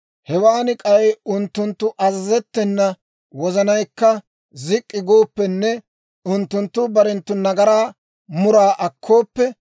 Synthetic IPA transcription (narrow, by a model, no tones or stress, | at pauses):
hɛwaːnɪkʼɐjʊnt̪ːʊnt̪ːʊʔɐzɐzɛt̪ːɛnːɐ | wɔzɐnɐjkːɐ | zɪkʼːɪɡo̞ːpːɛnːɛ | ʊnt̪ːʊnt̪ːʊbɐɾɛnt̪ːʊnɐɡɐɾaː | mʊɾaːʔɐkʰːo̞ːpːɛ